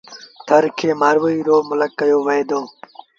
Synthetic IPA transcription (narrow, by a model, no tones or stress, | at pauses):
t̪ʰəɾkʰeːmaːɾʋoiːɾoːmʊləkːəjoːʋəed̪õː